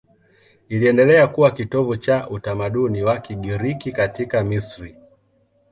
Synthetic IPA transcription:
iliɛndɛlɛakuwakitɔvut͡ʃaʔutamaɗuniwakiɠiɾikikatikamisɾi

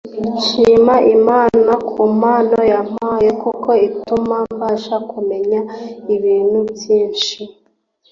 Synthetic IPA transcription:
ʃiːmaʔimaːnakʰumaːnojam̥ajekuko̞itumambaːʃakume̞ɲaiβiːn̥hubjiːnʃi

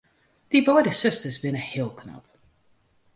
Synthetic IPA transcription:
ðibɔɪɾə̥sɪstəzbɨ̃nɨhɪlˠkʰnʌ̰b̥

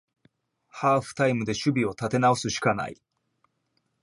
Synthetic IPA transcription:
haːɸɯ̟̥t̪aimɯ̟d̪e̞ɕɨbʲio̞t̪at̪e̞nao̞sɨɕi̥kana̰ḭ

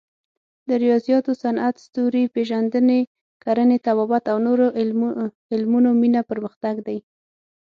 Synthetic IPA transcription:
d̪əɾijɑzijɑt̪osanʔat̪st̪oɾipeʒand̪əne | kaɾənet̪abɑbat̪awnoɾo | ɪlmunominapəɾməxt̪aɡd̪aj

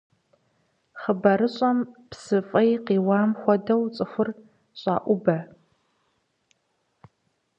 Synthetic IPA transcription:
χəbɐɾɨɕʼɐmpsɨfʼɐjqiːwaːmxʷɔdɐwt͡sʼɨxʷʊr | ɕʷʼa̰ːʔʷʊbɐ

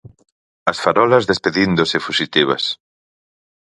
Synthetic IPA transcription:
ɐsfaɾɔlɐzðespeðind̪osɪfusit̪iβ̞ɐ̰s

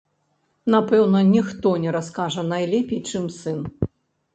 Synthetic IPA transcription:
napɛwnɐnʲixt̪ɔnʲɛɾaskaʐɐnajlʲɛpʲit͡ʂɨmsɨn

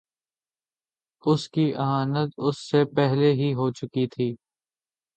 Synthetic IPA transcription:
ʊskiʔɐɦaːnət̪ʊsːepɛɦleɦiɦoːt͡ʃʊkit̪ʰiː

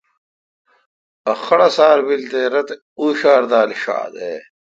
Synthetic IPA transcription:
ɐxɐɽɐsaːɾbilt̪eːɾɐt̪ | uːɕaːɾd̪aːliɕa̰ːd̪eː

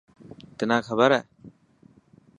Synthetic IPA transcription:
t̪ɪnaːkʰəbəɾɛː

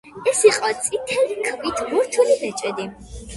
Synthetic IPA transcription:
ɛsiqʼɔt̪sʼit̪ʰɛlikʰvit̪ʰmɔɾt͡ʃʰɛlimɛt͡ʃʼɛd̪i

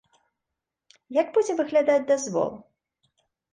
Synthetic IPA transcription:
jaɡbud͡zʲɛvɨɣlʲad̪ad͡zʲd̪azvɔ̰lˠ

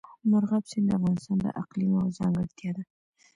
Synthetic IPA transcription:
mʊɾʁɑpsend̪afʁɑnɨst̪ɑnd̪a̰ʔaqlimawzaŋɡəɾt̪ʰijad̪ɪ

